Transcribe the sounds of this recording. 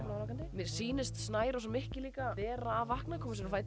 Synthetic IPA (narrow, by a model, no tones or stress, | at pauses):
naɾawkant̪ɪmɛɾsiːnɪst̪snaːjɾasɔmɪhcɪliːkaɛːɾaːvahknakʰɔːmasɛmfaːjt̪